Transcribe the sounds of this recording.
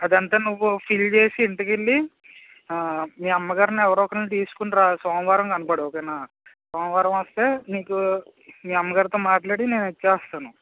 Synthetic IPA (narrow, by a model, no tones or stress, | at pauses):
ɐd̪ɐnt̪aːnuʋːupʰilt͡ʃe̞ːsiːɳʈɐkeɭːi | miːɐmːɐɡaːɾiniɛʋɐɾoːɔkɐnuːʈ̪iːsu̥kuɳɾaːsɔːnɐʋaːɾɐmkɐnipaːɽeɔkɐjnaː | sɔːnɐʋaːɾɐmɐst̪e̞ːniːku | miːɐmːɐɡaːɾit̪o̞ːmaːʈlaːɽine̞ːnet͡ʃːaːst̪aːnu